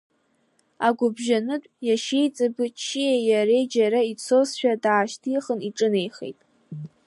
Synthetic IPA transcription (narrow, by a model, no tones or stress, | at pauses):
aɡʷʊbʒanɨtʷʼjaʃejt͡sʼɨbɨt͡ʃʰːijejaɾejd͡ʒaɾait͡sʰosʃᶣadaːʃtʰiχəniʈ͡ʂʼɨne̞jχḛjtʼ